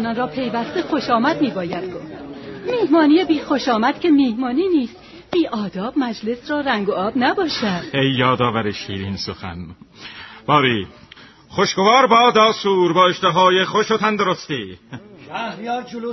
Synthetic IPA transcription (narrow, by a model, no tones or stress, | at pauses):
nɒːnɾɒːpʰe̞jvæst̪e̞xo̞ʃɒːmæd̪miːbɒːjæd̪̥̚ɡofd̪miːhmɒːniːjebiːxo̞ʃɒːmæd̪̥kcʰe̞miːhmɒːniːniːst̪ | b̥iːʔɒːd̪ɒːbmæd͡ʒle̞srɒːɾæŋɡoʔɒːbnæbɒːʃæd̪̥ejːɒːd̪ɒːvæɾeʃiːɾiːnsoxæ̰n | b̥ɒːɾiː | χoʃɡovɒːɾbɒːd̪ɒːsuːɾbɒːeʃt̪eɦɒːjeχoʃot̪ʰænd̪oɾost̪iːæhɾjɒːɾd͡ʒlo